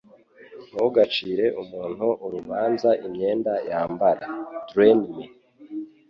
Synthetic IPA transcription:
nuwoɡat͡ʃiːɾe̞ʔumuːn̥huʔuɾuβaːnzaʔimɲe̞ːndajaːmbaɾadɾenmi

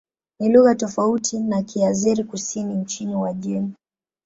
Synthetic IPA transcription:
niluɣatɔfautʰinakiaziɾikusinim̩t͡ʃiniwaʄɛɲi

